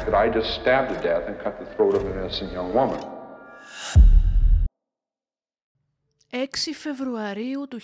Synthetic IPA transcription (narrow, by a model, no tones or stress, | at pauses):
ðɨɾaɪd͡ʒʌststæb̚ðɨdɛθɨ̃nkʰʌt̪̚ðəθɹoʊɾʌvɨnɛsɨ̃njʌ̃ŋwʊmə̰̃n | e̞ksife̞vɾuɐɾiut̪u